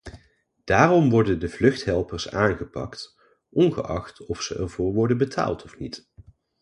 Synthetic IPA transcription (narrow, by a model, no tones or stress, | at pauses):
d̥aːrɔmʋɔɹdəndəvlɵχtɦɛlˠpəɹsaːnχəpɑ̰kt | ʔɔnχə̰ʔɑ̰χtɔfsəʔɛ̰ɹvʊːɹʋɔɹdənbətʰa̰ːlˠtʰɔfnit